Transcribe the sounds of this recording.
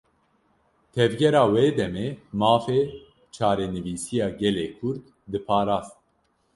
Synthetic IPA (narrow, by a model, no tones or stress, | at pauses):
t̪ʰɛvɡɛɾɑːweːd̪ɛmeːmɑːfeː | t͡ʃʰɑːɾɛnɨviːsijɑːɡɛleːkʰʊɾd̪ | d̪ɨpʰɑːɾaːzt̪̚